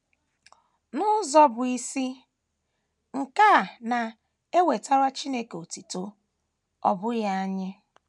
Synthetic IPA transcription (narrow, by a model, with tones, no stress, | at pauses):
nʊ˦zɔ˦bʊ˨i˦si˦ | ŋ̩˨ka˦˨na˨ | e˦we˨ta˦ɾa˦t͡ʃi˦ne˦ke˨o˨ti˨to˦ | ɔ̰˨bʊ˦ja˦ɲɪ˦